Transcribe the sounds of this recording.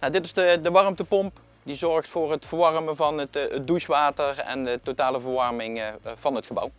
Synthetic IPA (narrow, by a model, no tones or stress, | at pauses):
nawdɪtɪzdədəʋɑrmtəpɔmp | dizɔɹχtfʊːrɦətfəɹʋɑrmənvɑnətət̚duʃʋaːtəɹɛ̰ndətotaːləvəɹʋɑɹmɪŋvɑnɦətχəbʌ̰w